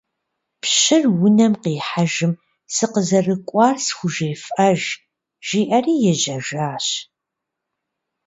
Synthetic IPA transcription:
pɕɪrwʊnɐmqiːħaʒɪm | sɨqəzɐrɨkʷʼɑːrsxʷʊʒeːfʔɐʒ | ʒ̥iːʔɐriːjɛʑɐʒaːɕ

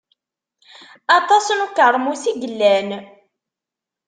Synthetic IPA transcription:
ɑt̪ˤɑsnukəɾˤmusiɡəlːæn

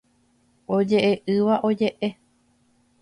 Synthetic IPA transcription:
o̞d͡ʒe̞ʔeʔɨʋaʔo̞d͡ʒe̞ʔe̞

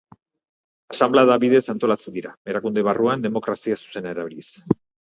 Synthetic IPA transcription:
asamblaðaβiðe̞sant̪o̞lat͡se̞nd̪iɾae̞ɾakund̪eβ̞aruand̪e̞mo̞kɾasiasu̥se̞naeɾaβiɾis

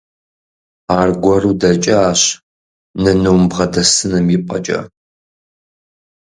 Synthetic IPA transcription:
aːrɡʷɔruːdɐt͡ʃʼɐaːɕ | nɐnuwmbʁɐdɐsɨnɨmjɪpʼɐt͡ʃʼɐ̰

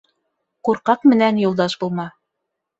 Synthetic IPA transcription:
quɾqɑqmɘ̆nænjulˠd̪ɑʃbulˠmɑ

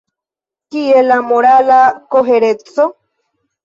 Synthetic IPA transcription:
kielamoɾalakoɦeɾet͡so

